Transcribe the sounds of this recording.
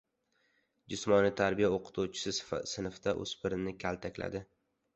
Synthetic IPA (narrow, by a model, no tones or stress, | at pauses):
d͡ʒʊsmɒnɪt̪ʰaɾbijaoqʰɨ̥t̪ʰuwt͡ʃʰɪ̥sɪssɪnfd̪aʔɵ̰z̥pʰɪɾɪnɪkʲʰalt̪ʰakʲla̰d̪ɪ